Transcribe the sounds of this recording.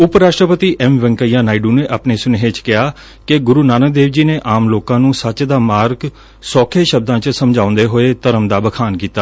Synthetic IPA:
ʊpɾaːʂʈɾəpət̪iːʔɛmʋəŋkəjãːnaːiɖuːneːʔapneːsʊneɦeːt͡ʃkɪjaː | kɪɡʊɾuːnaːnəd̪eːʋd͡ʒiːneːʔaːmloːkãːnũːsət͡ʃd̪aːmaːɾɡ | sɔːkʰeːʃəb̚d̪ãːt͡ʃsəmd͡ʒãːʊ̃nd̪eːɦoːeːt̪əɾəmd̪aːbəkʰaːnkiːt̪aː

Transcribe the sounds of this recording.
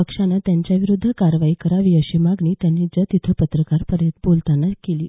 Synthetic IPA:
əkʂanːat̪jaɲt͡ɕjaʋiɾud̪ʱːəkaɾʋaiːkəɾaʋiːəɕimaɡɳiːt̪janːid͡zət̪it̪ʰəpət̪ɾəkaɾpəɾjət̪bolt̪anːakeliː

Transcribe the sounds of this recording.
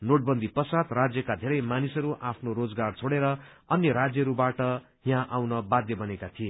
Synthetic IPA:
noʈ̚bʌnd̪ʱipʌsat̪rad͡zjʌkad̪ʱeɾʌjmanisʌɾuʔapʰnoɾod͡zɡart͡sʰoɽeɾʌ | ʌnjʌɾad͡zjʌɾubaʈʌ | jãʔawnʌbad̪jʌbʌnekat̪ʰije

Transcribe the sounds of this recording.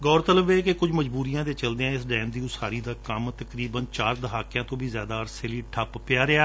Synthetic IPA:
ɡɔːɾt̪ələbeːkekʊd͡ʒməd͡ʒbuːɾijãːd̪eːt͡ʃəld̪eãːɪs̬ɖɛ̃ːmd̪iːʊsaːɾiːd̪aːkəmt̪əkɾiːbənt͡ʃaːɾd̪əɦaːkɪjãːt̪õːʋiːzjaːd̪aːəɾseːliːʈʰəppɪjaːɾɪaː

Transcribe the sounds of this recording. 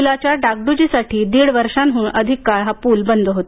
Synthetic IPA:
ulat͡ɕjaɖaɡ̚ɖud͡ʑisaʈʰiːd̪iɽʋəɾʂanɦuɳʔəd̪ʱikːaɭɦapuːlbənd̪ʱəɦot̪

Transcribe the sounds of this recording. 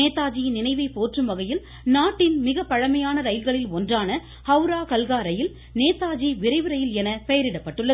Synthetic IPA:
eːt̪ːaːd͡ʒinɪnɐɪʋɐɪpːoːʈrɯmʋɐɣɐjɪl | naːʈːɪnmɪɣɐpːɐɻɐmɐjaːnɐɾɐjɪlɣɐɭɪlɔndraːnɐ | hɐʊɾaːkɐlɣaːɾɐjɪl | neːt̪ːaːd͡ʒiʋɪɾɐɪʋɯɾɐjɪlɛnɐpɛjɐɾɪɽɐpːɐʈːɯɭːɐ

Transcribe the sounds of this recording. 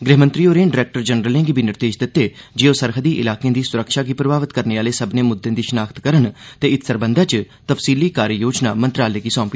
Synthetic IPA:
ɡɾeɦmə̃nt̪ɾiːoːɾẽːɖɪɾɛːk̚ʈəɾd͡ʒənɾəlẽŋɡiːbʱiːnɪɾd̪eːd͡ʒd̪ɪt̪ːeːd͡ʒɪjõːsəɾɦəd̪iːʔɪ̰laːkeẽːd̪iːsʊɾəkʃaːɡiːpɾəbaːʋət̪kəɾneːaːleːsəbneːmʊd̪ːẽːd̪iːʃənaːkt̪kəɾənt̪eːɪt̪səɾbənd̪aːt͡ʃ | t̪əfsiːliːkaːɾjəjoːd͡ʒnaːmənt̪ɾaːleːɡiːsɔ̃ːmpi

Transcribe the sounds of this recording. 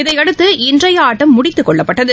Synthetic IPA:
ɪðɐɪɐɽɯt̪ːɯɪndrɐjaːʈːɐmːʊɽɪt̪ːɯkːɔɭːɐpːɐʈːɐðɯ

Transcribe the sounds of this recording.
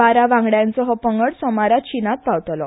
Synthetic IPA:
aɾaʋãŋɡɽjãnt͡sɔɦɔpəŋɡəɽsɔmaɾat͡ɕinat̪̚pawt̪lɔ

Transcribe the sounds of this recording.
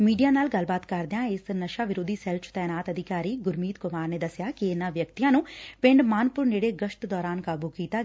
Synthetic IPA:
miːɖijaːnaːlɡəlbaːt̪kəɾd̪ãːɪsnəʃaːʋɪɾoːd̪iːsɛlt͡ʃt̪ɛːnaːt̪əd̪ʱɪkaːɾiːɡʊɾmiːt̪kʊmaːɾneːd̪əsjaːkiɪnãːʋjəkt̪ijãːnũːpɪ̃ɳɖmaːnpʊɾneːɽeːɡəʃʈd̪ɔːɾaːnkaːbuːkiːt̪aː

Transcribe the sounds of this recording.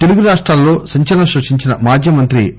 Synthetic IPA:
t̪eluɡuɾaːʂʈɾaːlːo̞ːsɐɲt͡ʃɐlɐmʃɐʂiɲt͡ʃinɐmaːd͡ʒʱjɐmɐnt̪ɾi

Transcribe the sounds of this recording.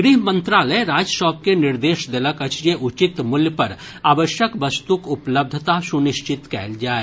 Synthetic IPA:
ɡɾiɦmə̃nt̪ɾaːləɾaːd͡ʒʃɔːp̚kenɪɾd̪eːʃd̪eləkɐt͡ʃd͡ʒeʔʊt͡ʃɪt̪mʊljəpɐɾ | aːʋəʃjəkʋɐst̪ukʊpləb̚d̪ʱt̪asʊnɪʃt͡ʃɪt̪kɛ̰ːld͡ʒaːeː

